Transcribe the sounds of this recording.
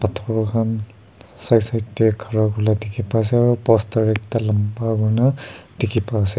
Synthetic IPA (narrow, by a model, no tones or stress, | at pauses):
patʰɔɹɔkʰan | sajsajtːɛkʰaɹakulatikʰipasɛaɹupɔstaɹɛk̚talampaɡɔnadikʰipasɛ